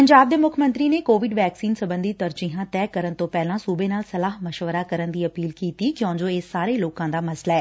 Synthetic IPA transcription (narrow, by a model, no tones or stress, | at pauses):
pəɲd͡ʒaːb̚d̪eːmʊkʰmə̃nt̪ɾiːneːkoːʋɪɖʋɛːksiːnsəbə̃nd̪iːt̪əɾd͡ʒiɦãːt̪ɛːkəɾənt̪õːpɛːlãːsuːbeːnaːlsəlaːɦməʃʋəɾaːkəɾənd̪iːəpiːlkiːt̪iːkjõːd͡ʒoːeːsaːɾeːloːkãːd̪aːməslɛː